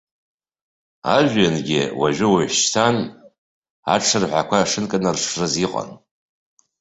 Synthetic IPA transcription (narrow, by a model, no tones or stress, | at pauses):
a̰ʒᶣːanɡʲɪ̰waʒʷᶣɪwaʕʷʃtʰan | a̰ʈ͡ʂʰɨrħʷakʷʰaʂɨnkʼɨnɨrʂrɨziqʼa̰n